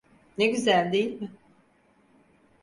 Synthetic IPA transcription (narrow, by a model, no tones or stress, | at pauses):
neɟyzælʲd̪ejilʲmɪ